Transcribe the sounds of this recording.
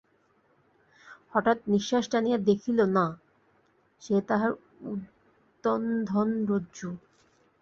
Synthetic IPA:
hɔʈat̪̚niʃːaʃʈanijad̪ekʰilona | ʃet̪aɦaɾ | ud̪ː | ond̪ʱɔnɾodd͡ʑu

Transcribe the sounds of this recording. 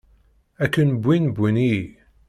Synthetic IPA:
ækːənbʷːinbʷini

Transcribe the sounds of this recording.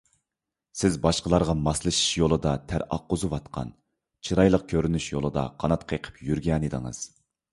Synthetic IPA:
sɪzbɑʃqəlˠɑɾʁɑmɑslˠɨʃi̥ʃjolˠɨd̪ɑt̪ʰæɾɑ̰qːozɨwɑt̪qʰɑ̰n | t͡ʃʰiɾɑjlˠəq̚kʲʰøɾynyʃjo̰lˠɨd̪ɑ̰qʰɑnɑt̪qʰeqʰə̥pjyɾɡʲɛnid̪ɨŋɨ̰z̥

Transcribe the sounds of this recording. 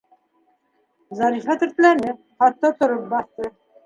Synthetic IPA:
zɑɾifɑt̪ʏɾt̪ɪlæɾnɪ | χɑt̪ːɑt̪ʰʊɾəp̚bɑθt̪ə

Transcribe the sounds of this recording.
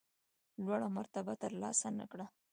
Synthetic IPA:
lwaɽamaɾt̪abat̪əɾlɑ̰sana̰kɽa

